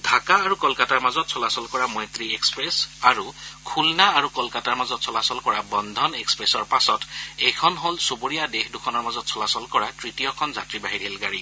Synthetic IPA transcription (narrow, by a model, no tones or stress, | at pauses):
dʱakaːɹukɔlkataɹmazɔtsʰɔlasɔlkɔɹamɔjt̪ɹiekspɹesaɹukʰulnaːɹukɔlkataɹmazɔtsɔlasɔlkɔɹabɔnd̪ʱɔnekspɹesɔɹpasɔtejkʰɔnɦolsuboɹijadexdukʰɔnɔɹmazɔtsʰɔlasɔlkɔɹatɹitijɔkʰɔnzatɹibaɦiɹilɡaɹi